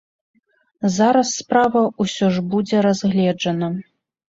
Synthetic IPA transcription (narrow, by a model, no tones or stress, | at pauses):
zaɾɐsːpɾavɐusʲɔʐbud͡zʲɛɾazɣlʲɛd͡ʐɐnɐ